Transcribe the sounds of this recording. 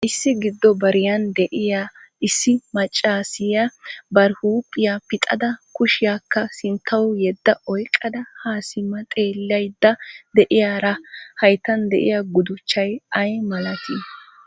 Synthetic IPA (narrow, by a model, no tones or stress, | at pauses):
ʔɪsːɪɡɪd̪ːɔbɐɾɪjɐnd̪ɛʔɪjaɪsːɪmɐt͡ʃʼːaːsɪjabɐɾhuːpʼːɪjapɪt̪ʼɐ̰d̪ɐkʊʃɪjakːɐsɪnt̪ʰːɐwjɛd̪ːɐɔjkʼːɐd̪ɐhaːsɪmːɐt̪ʼe̞ːlːɐjd̪ːɐd̪ɛʔɪjaːɾɐhɐjt̪ɐnd̪ɛ̰ʔɪ̰jaɡʊd̪ʊt͡ʃːɐjɐjmɐlɐt̪ʰɪ